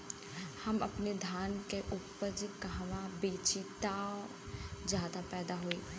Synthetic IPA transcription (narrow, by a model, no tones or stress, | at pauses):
hɐmɐpned̪ʱjaːnkeʔʊpːəɾd͡ʒkɐɦʋabeːt͡ʃit̪a | d͡ʒaːd̪apɛːd̪aɦoeː